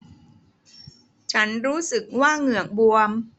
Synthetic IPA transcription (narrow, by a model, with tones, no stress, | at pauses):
t͡ɕʰa˦˥nɾuː˦˥sɯ˨˩k̚waː˥˩ŋɯ˨˩əŋ̚bu˧əm